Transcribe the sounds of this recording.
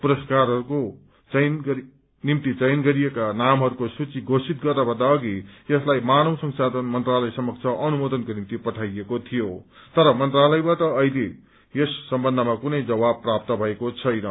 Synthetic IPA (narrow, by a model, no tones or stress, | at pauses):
puɾʌskarɦʌɾuko | t͡sʌnɡʌ | nimt̪it͡sʌjnɡʌɾijekanamɦʌɾukosut͡siɡosʰit̪ɡʌrnʌbʱʌnd̪aʌɡijʌslajmanʌwsʌŋsad̪ʱʌnmʌnt̪ralʌjsʌmʌk̚t͡sʰʌʔʌnumod̪ʌnkonimt̪ipʌʈʰajekot̪ʰijot̪ʌɾʌmʌnt̪ralʌjbat̪ʌːile | jesːʌmbʌnd̪ʱʌmakunʌjd͡zʌbabpːrap̚t̪ʌbʱʌekot͡sʰʌjnʌ